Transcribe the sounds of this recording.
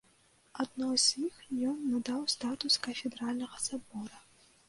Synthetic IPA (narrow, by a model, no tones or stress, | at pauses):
ad̪nɔz̥ʲjixjɔnːad̪awst̪at̪uskɐfʲɛd̪ɾalʲnɐɣɐsabɔɾɐ